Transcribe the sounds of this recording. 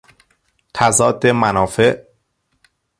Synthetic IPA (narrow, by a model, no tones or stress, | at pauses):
t̪ʰæzɒːd̪ːemænɒːfe̞ʔ